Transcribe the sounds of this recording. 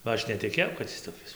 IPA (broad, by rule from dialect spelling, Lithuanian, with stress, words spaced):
bɐ ˈɐʃ nʲɛtʲɪˈkʲeːjɛʊ kɐt ˈɪs toːˈkʲɪs